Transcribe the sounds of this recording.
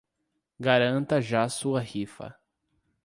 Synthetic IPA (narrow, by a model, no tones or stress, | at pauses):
ɡaɾɐ̃nt̪ɐʒasuɐhifɐ̰